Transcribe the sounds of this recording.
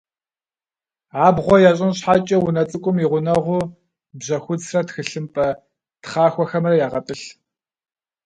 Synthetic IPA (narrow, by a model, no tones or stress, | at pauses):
aːbʁʷɔjaːɕ̬ʼɪnɕħaːt͡ʃʼɐwʊnɐt͡sʼɨkʷʼʊmiʁʷʊnɐʁʷʊ | bʑɐxʷʊd͡zrɐtxɨɬɨmpʼɐ | tχaːxʷɔxɐmrɐjaːʁɐtʼɨɬ